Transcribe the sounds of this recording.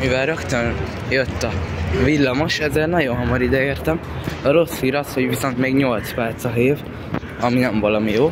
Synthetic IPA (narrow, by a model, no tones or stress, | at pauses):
mivɛlɾøkt̪øn | jøt̪ːɒvilːɒmo̞ʃɛzeːrnɒɟo̞nɦɒmɒɾid̪ɛeːrt̪ɛm | ɒɾo̞shiːɾɒsho̞ɟʋiso̞nt̪meːɡɲo̞lt̪spɛrt̪sɒɦeːv | ɒminɛɱvɒlɒmijoː